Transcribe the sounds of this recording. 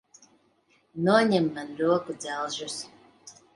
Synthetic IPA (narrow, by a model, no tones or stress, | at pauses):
nuɔɲɛmːanɾuɔkud̪zʲælˠʒus